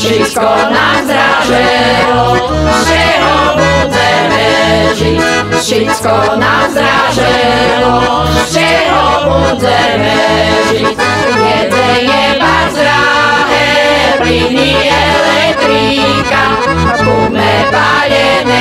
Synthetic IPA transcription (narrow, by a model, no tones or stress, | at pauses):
ʃikɔnazd̪ɾaʒɛlɔ | ft͡ʃɛɦɔmuzɛɾmɛʒi | ʃit̪kɔnazd̪ɾaʒɛlɔ | t͡ʃɛɦɔmuzɛɾmɛʒi | vjɛd͡zɛɲɛ | mazd̪ɾa | ɦɛ | pɾini | ɛlɛkt̪ɾi | ka | kunɛt̪a | ʎɛ | ɲɛ